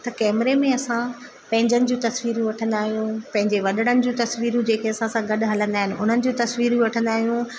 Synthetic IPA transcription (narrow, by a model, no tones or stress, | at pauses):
t̪ɐkɛːmɾemẽɐsã | pɐ̃ɦɪ̃ɲd͡ʑənɪ̆d͡ʑũt̪ɐsʋiːɾjũʋɐʈʰə̃nd̪aːɦijũpɐ̃ɦɪ̃ɲd͡ʑeʋɐɗəɽ̃ənɪ̆d͡ʑũt̪ɐsʋiːɾũd͡ʑeːkʰeɐsãsãɡɐɗɦɐlə̃nd̪aːɦɪnɪ̆ʊn̤ənɪ̆d͡ʑũt̪ɐsʋiːɾjũʋɐʈʰə̃nd̪aːɦijũ